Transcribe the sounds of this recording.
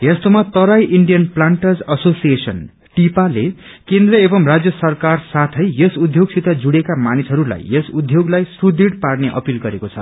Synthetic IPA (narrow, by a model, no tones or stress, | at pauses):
jest̪omat̪ʌɾajʔiɳɖijʌnplaɳʈʌd͡zʌsosijesʌn | ʈipale | kend̪rʌebʌmrad͡zjʌsʌrkarsat̪ʰʌjjʌsud̪ʱjoɡsit̪ad͡zuɽekamanisɦʌɾula̰jesud̪ʱjoɡlajsrud̪iɽparneʔʌ̰pilɡʌɾekot͡sʰʌ̰